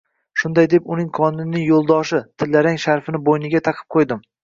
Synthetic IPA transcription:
ʃʊnd̪ajd̪epʊnɪŋqʰɒnɪnnɪŋjolˠd̪ɒʃɪt̪ʰɪlːaɾaŋʃaɾfɪnɪbojnɪɡʲat̪ʰɑqʰɨ̥p̚qʰojd̪ɪm

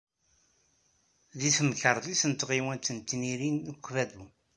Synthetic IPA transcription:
ðiθəmkəɾˤðisənt̪ʁiwænt̪ənt̪ːniɾinəkʷːvæðu

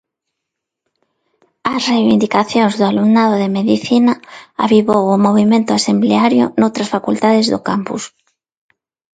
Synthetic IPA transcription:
asrejβind̪ikaθjoŋzðʊaluŋnaðoðemeðiθinaa̰βiβowomoβ̞imẽnt̪ʊasembleaɾjo̰nowt̪ɾasfakult̪aðezðo̰kampṵs

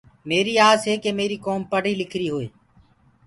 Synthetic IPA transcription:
meːɾiːaːzɦeːkeːmeːɾiːkoːmpəɽ̤iːlɪkʰɾiːɦoːeː

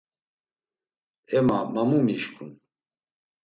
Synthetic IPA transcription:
ɛmamamumiʃkʰʼun

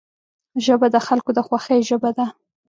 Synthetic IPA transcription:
ʒəbad̪əxalkod̪əxwaxəjʒəbad̪a

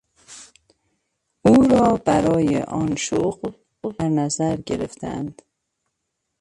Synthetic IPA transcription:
uːɾɒːbæɾɒːjḛʔɒːnʃoɣl | d̪æɾnæzæɾɟeɾḛft̪ʰæ̰nd̪̥

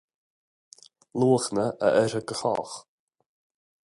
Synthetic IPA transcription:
luːxnəʔə̰ʔɛɾəɡəxɔ̰x

